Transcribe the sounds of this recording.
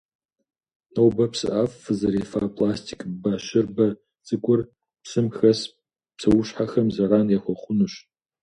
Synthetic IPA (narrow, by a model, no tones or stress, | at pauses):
nowbɐpsɨ̰ʔafːɨzɐɾefapʼlastʰi̥kʼbaʃɪrbɐ | t͡sʼɨkʷʼʊr | psɨmxɐs | psɐwʊʃħaxɐmzɐɾaːnexʷɐχʷʊnuɕ